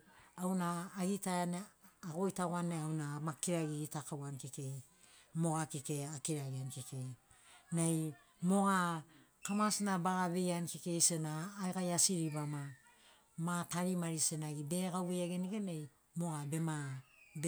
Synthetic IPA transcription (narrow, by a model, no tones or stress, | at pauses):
awnaːɡitaaneaɡo̞jtaɡanːeawnamakiɾaɡiɡitakawankeke̞j | mo̞ɡakike̞akiɾaɡiankeke̞j | nej | mo̞ɡa | kamasinabaɡaβe̞jankeke̞jsenaːjɡajasiɾiβama | mataɾimaɾisenaɡibe̞ɡawejaɡeniɡenej | mo̞ɡabe̞mab